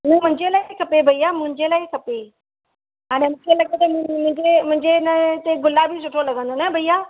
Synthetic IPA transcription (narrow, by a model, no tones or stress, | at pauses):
nɐ̃mʊ̃ɦɪ̃ɲd͡ʑelaːikʰɐpebʱɐijaːmʊ̃ɦɪ̃ɲd͡ʑelaːikʰɐpe | ɦaːɽ̃emʊ̃kʰelɐɠet̪ɐmmʊ̃ɪ̃ɲd͡ʑemʊ̃ɦɪ̃ɲd͡ʑenɐt̪eɡʊlabʱis̬ʊʈʰolɐɡə̃nd̪onɛbʱɐijaː